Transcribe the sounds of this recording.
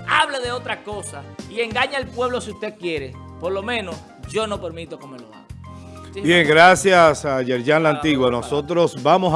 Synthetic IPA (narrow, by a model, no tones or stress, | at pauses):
aβleðeo̞t̪ɾako̞saie̞ŋɡaɲaelpwe̞β̞lo̞siust̪e̞kje̞ɾepo̞ɾlo̞mẽ̞nos | ʝo̞no̞pe̞ɾmit̪o̞keme̞loða | bjeŋɡɾasjasaʝeɾʝanlaːnt̪iɣwano̞sot̪ɾo̞sbamos